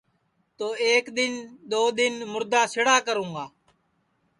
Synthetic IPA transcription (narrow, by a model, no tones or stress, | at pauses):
t̪oːeːkɗ̪ɪnɗ̪oːɗ̪ɪnmʊɾd̪aːsɪɽaːkəɾũːŋɡaː